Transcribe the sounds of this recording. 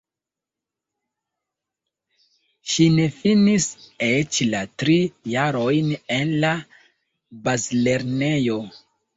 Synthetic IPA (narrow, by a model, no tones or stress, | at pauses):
ʃine̞finiset͡ʃlatɾijaɾo̞jne̞nla | bazle̞ɾne̞jo̞